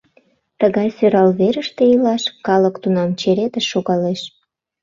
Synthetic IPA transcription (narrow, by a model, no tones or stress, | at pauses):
t̪əɣɑjsøɾɑlβeɾəʃt̪eilɑʃkɑləkt̪unɑmt͡ɕeɾet̪əʃːoɣɑleʃ